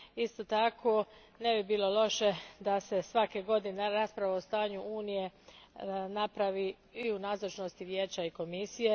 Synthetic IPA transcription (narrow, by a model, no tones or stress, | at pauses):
ist̪ot̪akʰo̞ | ne̞bibiːlo̞lo̞ʃe̞d̪ase̞sʋakeɡo̞d̪ineɾaspɾaʋaost̪aːɲuʔuːnije̞ | napɾaʋi | iunaːzot͡ʃno̞st̪iʋje̞ːt͡ɕaiko̞misije̞